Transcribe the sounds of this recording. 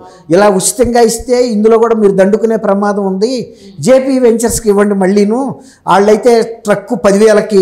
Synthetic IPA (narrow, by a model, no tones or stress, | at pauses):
ilaːut͡ʃːi̥t̪ɐŋɡaːist̪e̞ːind̪ulo̞ːkuːɽaːmiːɾud̪ɐɳɖukune̞ːpɾɐmaːd̪ɐmund̪i | d͡ʒe̞ːpiːʋe̞ɲt͡ʃɐɾskiʋːɐɳɖimɐɭːiːnu | aːɭːɐjt̪e̞ːʈɾɐkːupɐd̪iʋiːlɐki